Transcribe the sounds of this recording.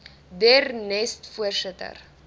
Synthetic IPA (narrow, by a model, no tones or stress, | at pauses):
dernɛstfuərsətə̰r